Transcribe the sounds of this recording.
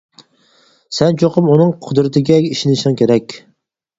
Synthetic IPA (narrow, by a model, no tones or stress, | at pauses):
sɛnt͡ʃʰoqəmunɨŋqʰʊd̪ɾɪt̪ʰɪɡʲɛiʃinɪʃɪŋkʲʰeɾɛkʲ